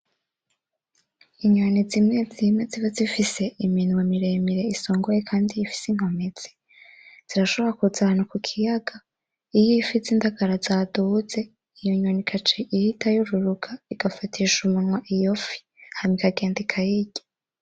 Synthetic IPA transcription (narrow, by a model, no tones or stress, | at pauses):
iɲanizimŋed͡zimeziβazifise̞ʔiminwemiɾe̞miɾe̞iso̞ːŋɡojekʰaːndijifi̥siŋ̥ho̞mez̥i̥ | z̥iɾaʃo̞βoɾakuzahanukukʰijaɡa | ijiifit͡sindaɡaɾazaːduze̞ | ijoɲonikʰat͡ʃiʔihitʰajuɾuɾuɡaiɡ̥afatʰiʃumunwaʔijofi̥ | hamikaɡe̞ːndikʰajiɟe̥